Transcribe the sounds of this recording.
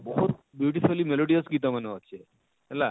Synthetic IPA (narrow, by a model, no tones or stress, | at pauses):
bɔɦut̪bjuʈifulːimeloɽiəskit̪aməneɦɔt͡ʃʰe | ɛla